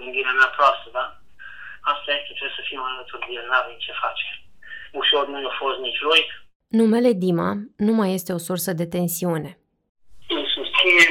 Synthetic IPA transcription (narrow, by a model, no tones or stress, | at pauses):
mɨnɡ̪iɾeameapɾoast̪əd̪a | ast̪ajesk̪et̪ɾebsəfimalət̪uɾd̪ienavemt͡ʃe̞fat͡ʃe | uʃo̞rnunufost̪nit͡ʃʲluj | nume̞le̞d̪ima̰numaje̞st̪e̞o̞sursəd̪e̞t̪e̞nsiune̞ | ɨmsust̪sine